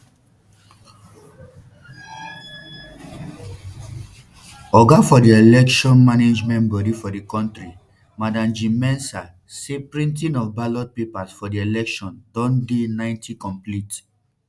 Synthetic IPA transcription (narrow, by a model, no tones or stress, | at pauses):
ɔɡafɔdielɛkʃɔ̃nmaned͡ʒmɛ̃nbɔdifɔdekɔ̃ntɾi | madãmd͡ʒĩmɛ̃nsa | sepɹĩntĩnɔfbalɔd̚pepasfɔdielɛkʃɔ̃ndɔ̃ndenãɪ̃ntʰikɔ̃mplit